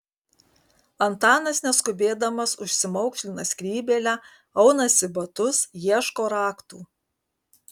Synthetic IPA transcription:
ɐnt̪ɑːnɐsnʲɛskʊbʲeːd̪ɐmɐsʊʃʲsʲɪmɔʊkʃʲlʲɪnɐsʲkɾʲiːbʲeːlʲæ | ɐʊnɐsʲɪbɐt̪ʊsjiɛʃkoːɾɑːkt̪uː

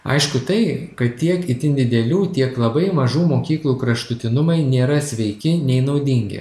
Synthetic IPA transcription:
ɐ̰ɪʃkʊt̪ɐɪkɐt̪t̪ʲiɛkɪt̪ʲɪnd̪ʲɪd̪ʲɛlʲuːt̪ʲiɛklˠɐbɐɪmɐʒuːmoːkʲiːklˠuːkɾɐʃt̪ʊt̪ʲɪnʊmɐɪnʲeːɾɐsʲʋʲɛɪkʲɪnʲɛɪnɒʊd̪ʲɪŋʲɡʲɪ̰

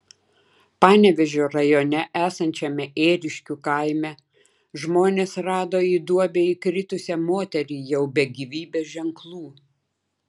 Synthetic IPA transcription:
pɑːnʲɛʋʲɛʒʲoːɾɐjoːnʲɛʔæːsɐnʲt͡ʃʲɛmʲɛʔeːɾʲɪʃʲkʲuːkɐˑɪmʲɛ | ʒmoːnʲeːsɾɑːd̪oːiːd̪uɔbʲeikɾʲɪt̪ʊsʲɛmoːt̪ʲɛɾʲiːjɛʊbʲɛɡʲiʋʲiːbʲeːʒʲɛŋklˠuː

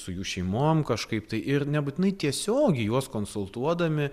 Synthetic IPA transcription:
sʊjuːʃʲɛɪmomkɐʃkɐɪpt̪ɐɪʔɪrnʲɛbut̪ʲɪnɐɪt̪ʲiɛsʲoːɡʲɛɪjuɔskoːnsʊlˠt̪uɔd̪ɐmʲɪ

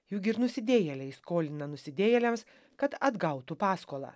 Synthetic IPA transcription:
jʊkʲɪɾnʊsʲɪd̪ʲeːjɛlʲɛɪskoːlʲɪnɐnʊsʲɪd̪ʲeːjɛlʲɛms | kɐt̪ɐd̪ɡɐʊt̪upɑːskoːlˠɑ̰ː

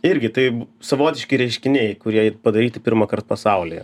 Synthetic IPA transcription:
ɪɾʲɡʲɪt̪ɐɪsɐʋoːt̪ʲɪʃʲkʲɪɾʲɛɪʃʲkʲɪnʲeɪkʊɾʲiɛɪpɐd̪ɐɾʲiːt̪ʲɪpʲɪɾmɐkɐrt̪̚pɐsɐʊlʲḭjɛ

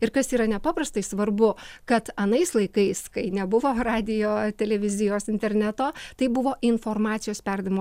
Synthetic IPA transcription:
ɪɾkɐsiːɾɐnʲɛpɑːpɾɐst̪ɐɪsʋɐɾbʊkɐt̪ɐnɐɪslˠɐɪkɐɪskɐɪnʲɛbʊʋoːɾɑːd̪ʲɪjoːt̪ʲɛlʲɛʋʲɪzʲɪjoːsɪnʲt̪ʲɛɾʲnʲæt̪oːt̪ɐɪbʊʋoːʔɪnfoːɾmɑːt̪sʲɪjoːspʲɛɾd̪ɐɪmː

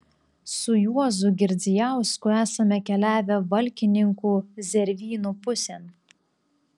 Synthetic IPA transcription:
sʊjuɔzʊɡʲɪɾʲd͡z̪ʲɪjæˑʊskʊæːsɐmʲɛkʲɛlʲæːʋʲɛʋɐlʲkʲɪnʲɪŋkuːzʲɛɾʲʋʲiːnupʊsʲɛn

